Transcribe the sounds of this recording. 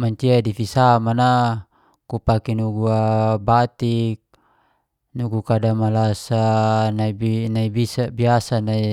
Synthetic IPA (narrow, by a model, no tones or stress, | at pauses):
maɲt͡ʃiadifisamana | kupakinuɡuabat̪ik̚ | nuɡukadamalasanainaibisabiasanai